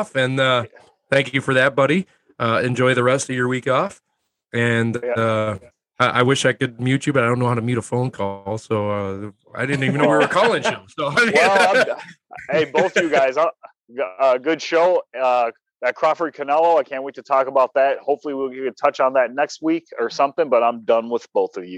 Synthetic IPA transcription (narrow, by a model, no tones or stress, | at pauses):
fɨ̃nʌ | θæ̃ŋkɨfə˞ðɨt̚b̥ʌɾi | ʔʌɨ̃nd͡ʒɔɪðɨɹɛstʌvjə˞wikɔf | ɨ̃nʌ | ʌʔa̰ɪwɪʃaɪkɨd̚mjʉt͡ʃɨbʌɾaɪdõʊnoʊhaʊɾɨmʉɾəfõʊ̃nkʰɔlˠsoʊʌ | a̰ɪdɪdⁿn̩ivɨ̃nowiwə˞kʰɔlˠɪ̃ŋʃoʊsoʊaɪmĩn | eɪbʊθʌvjɨɡaɪzã | ʌɡʊd̥ʃoʊʌ | ðɨt̚kʰɹ̥ɑfə˞d̚kʰɨnɛlˠoʊaɪkʰæ̃nʔwitʰɨtʰɔkəbaʊt̪̚ðæt̚hoʊpfl̩ˠiwiɨtʰʌt͡ʃn̩ðɨt̚ⁿnɛkst̚wikə˞sʌ̃mθɪ̃ŋbʌɾãɪ̃mdʌ̃nwəð̥b̥oʊθʌvjʉ